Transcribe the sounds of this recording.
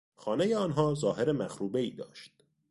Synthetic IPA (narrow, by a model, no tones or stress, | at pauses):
xɒːne̞jeɒːnɦɒːzɒːɦe̞ɾemæxɾuːbe̞iːd̪ɒ̰ːʃt̪̚